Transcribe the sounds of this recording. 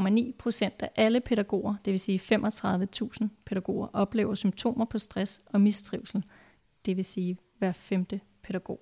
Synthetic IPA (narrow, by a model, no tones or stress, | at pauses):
ɒmænḭːpʰʁo̝sen̰d̥æʔæləpʰe̝ɾæɡ̥o̝̰ːɐd̥e̝ʋe̝siːfemʔɒ̽t͡sʰʁɑ̈ð̞ˠʋət͡sʰṵːsn̩pʰe̝ɾæɡ̥o̝̰ːɐʔɒ̽b̥le̝ːʊɐsymt͡sʰo̝̰ːmɐpʰɒ̽sd̥ʁasɒ̽misd̥ʁiʊlsl̩ | d̥e̝ʋe̝siː | ʋæɐ̰femd̥ə | pʰe̝ɾæɡ̥o̝̰ː